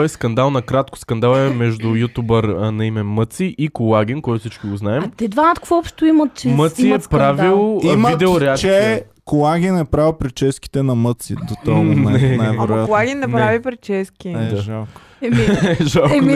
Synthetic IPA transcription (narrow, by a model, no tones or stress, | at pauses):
ɔɛskɐnd̪alˠnɐkɾat̪kʊ̥skɐnd̪alˠɛmɛʒd̪ʊjut̪ubəɾnɐimɛmɤt̪siʔikʊlˠaɡʲinkɔjt̪ʊfsit͡ʃkiɡoznaɛmt̪ɛd̪vaət̪kvɔɔpʃt̪oimɐt̪̚t͡ʃɛmət̪siɛpɾavilˠmvid̪ɛʊɾɛakt͡ʃɛ | kolˠaɡʲinɛpɾavˠpɾit͡ʃɛski̥t̪ɛnɐmɤt̪sḭd̪ot̪anaɛnajvɛɾojat̪olˠaɡʲinːɛɾavipɾit͡ʃɛskʲiɛaʒalˠk | ɛiʒalˠki